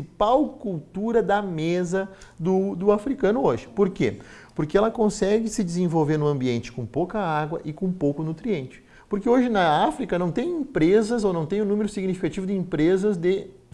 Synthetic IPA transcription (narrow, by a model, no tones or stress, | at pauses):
ipawkuwt̪uɾɐd̪ɐmezɐd̪ʊd̪ʊafɾikɐ̃nʊoʒɪ̥poɾkḛpoɾkeɛlɐkõsɛɡɪsɪd͡ʒ̪ɪzẽvowveɾnʊɐ̃mbiẽnt͡ʃɪ̥kõpowkɐaɡwɐʔɪkõpowkʊnut̪ɾiẽnt͡ʃɪ̥ | poɾkeoʒɪnɐafɾikɐnɐ̃w̃t̪ẽj̃ĩpɾezɐzownɐ̃w̃t̪ẽj̃ʊnũmeɾʊsiɡnifikat͡ʃivʊd̪ɪĩmpɾezɐzd̪ɪ